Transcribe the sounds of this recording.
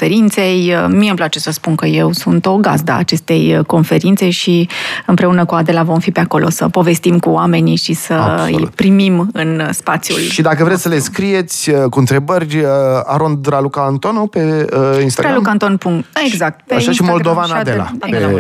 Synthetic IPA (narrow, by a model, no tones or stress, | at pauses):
fe̞ɾint̪se̞jmiemplat͡ʃe̞səspunkəje̞wsunt̪o̞ɡa̰zd̪a̰a̰t͡ʃe̞st̪e̞jko̞nfe̞ɾint̪se̞ʃiɨmpɾe̞unəkuad̪e̞lavo̞mfipeako̞lʔo̞̰səpo̞ve̞st̪imkuwame̞niʃisəɨ̰jpɾimimɨnspat̪sjṵlʃid̪akəvɾet̪ʲsəleskɾije̞t̪sʲəkuɨnt̪ɾe̞bərʲaɾond̪ɾalukaːnt̪onopeinst̪aɡɾalukant̪onpuŋeɡzak̚t̪̚eaʃaʃimold̪ovanad̪ela̰